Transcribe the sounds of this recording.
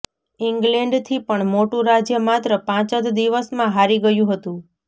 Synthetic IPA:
iŋɡlẽɳɖt̪ʰipəɳmoʈũɾad͡ʒjəmat̪ɾəpãt͡ʃəd̪d̪iʋəsmãɦaɾiɡəjũɦət̪ũ

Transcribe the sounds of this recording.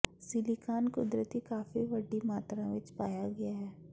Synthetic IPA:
silikaːnkʊd̪ɾət̪ikaːfiʋɐɖimaːt̪ɾãʋɪt͡ʃpaːjaɡɐjaɦɛː

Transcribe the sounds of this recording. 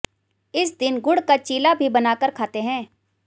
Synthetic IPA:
ɪs̬d̪ɪnɡʊɽkat͡ʃiːlabʱibɐnaːkəɾkʰaːt̪eɦɛ̃ː

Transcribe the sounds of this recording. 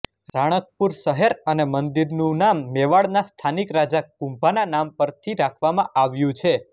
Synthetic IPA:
ɾaɽ̃ək̚puɾʃəɦeɾənemənd̪iɾnũnamːeʋaɭnast̪ʰanikɾad͡ʒakũmbʱananampəɾt̪ʰiɾakʰʋamãʔaʋjũt͡ʃʰe

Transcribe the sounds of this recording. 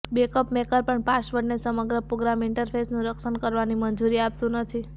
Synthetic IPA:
bekəpmekəɾpəɳpasʋəɾnesəməɡɾəpɾoɡɾamɪɳʈəɾpʰesnũɾəkʃənkəɾʋanimənd͡ʒuɾiapt̪ũnət̪ʰi

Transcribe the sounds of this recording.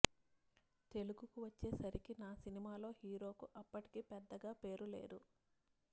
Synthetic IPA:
t̪e̞luɡukuʋɐt͡ʃːeːsɐɾikinaːsinimaːlo̞ːhiːɾo̞ːkuʔɐpːɐʈi̥kipɛd̪ːɐɡaːpe̞ːɾule̞̰ːd̪u

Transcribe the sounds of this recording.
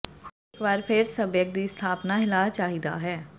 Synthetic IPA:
xekbaːɾpʰɪɾsəbjək̚d̪iːst̪ʰaːpnaɦɪlaːt͡ʃaːɦid̪a̰ːɦɛː

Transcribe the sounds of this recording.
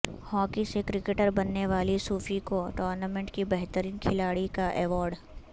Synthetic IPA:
hɔːkisekɾɪkeʈəɾbɐnːeʋaːlisuːfikoʈɔːɾnamẽɳʈkibɛɦt̪əɾiːnkʰɪlaːɽikaʔɛːʋɔːɾɖ

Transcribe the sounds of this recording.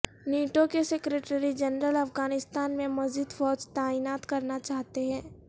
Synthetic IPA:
neːʈokesekɾeːʈəɾid͡ʒɐnɾəlɐfɡaːnɪst̪aːnmẽmɐzid̪fɔːd͡ʒt̪aːinaːt̪kɐɾnat͡ʃaːɦt̪eɦɛ̃ː

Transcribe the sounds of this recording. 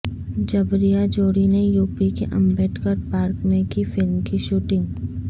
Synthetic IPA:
d͡ʒɐbɾijad͡ʒoːɽinẽjuːpikeʔɐ̃mbɛːʈʰkəɾpaːɾkmẽkifɪlmkiʃuːʈɪ̃ŋɡ

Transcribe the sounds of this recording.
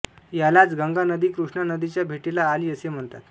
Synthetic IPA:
jalat͡sɡəŋɡanəd̪iːkɾuʂɳanəd̪it͡ɕjabʱeʈilaːliːəsem̤əɳt̪at̪

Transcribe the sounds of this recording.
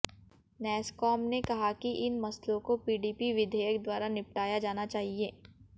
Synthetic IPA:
nɛːskɔːmnekɐɦakiʔɪnmɐslõkopiːɖiːpiʋɪd̪ʱeːjəkd̪waːɾanɪp̚ʈaːjad͡ʒaːnat͡ʃaːɦieː

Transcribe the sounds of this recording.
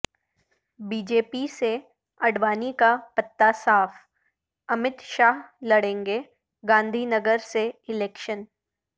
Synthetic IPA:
biːd͡ʒeːpise | ɐɽʋaːnikapɐt̪ːasaːf | ɐmɪt̪ʃaːɦlɐɽẽːŋɡe | ɡãːnd̪ʱiːnəɡəɾseɪlɛːkʃən

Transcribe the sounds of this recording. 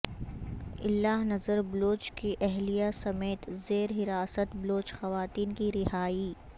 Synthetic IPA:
ɪ̰lːaːɦnɐzəɾbloːt͡ʃkiʔɛɦlijasɐmeːt̪zeːɾɦɪɾaːsət̪bloːt͡ʃxɐʋaːt̪iːnkiɾɪhaːi

